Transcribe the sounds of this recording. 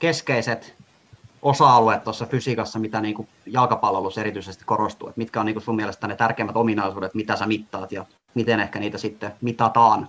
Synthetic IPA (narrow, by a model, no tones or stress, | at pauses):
keskeiset̪ | osɑɑluet̪t̪ːoɑsːɑfysikɑsːɑmit̪æniːŋku | jɑlkɑpɑlʋeluseɾit̪yisest̪i̥korost̪ṵːḛt̪mit̪kæoniːkusumielest̪ænet̪ærkeimːæt̪ominɑisuːdet̪mit̪æsæmit̪ːɑːt̪jɑ | mit̪enehkæniːt̪æsit̪ːemit̪ɑt̪ɑːn